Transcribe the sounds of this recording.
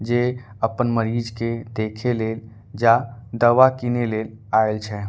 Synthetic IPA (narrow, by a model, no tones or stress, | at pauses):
d͡ʒeː | əpənməɾiːd͡ʒked̪eːkʰeleːl | d͡ʒad̪əʋakineleːlaːelt͡ʃʰɛ